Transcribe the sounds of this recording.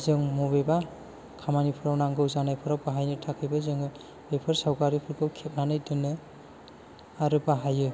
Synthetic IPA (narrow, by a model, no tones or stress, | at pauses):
zɯŋmɔbeba | kʰamanipʰɯɾawnaŋɡɯwzanajpʰɯɾawbaɦajnɯtʰakʰɯjbɯzɯŋɯ | bepʰɯɾsawɡaɾipʰɯɾɡɯwkʰep̚nanɯjdɯnɯ | aɾɯbaɦajɯ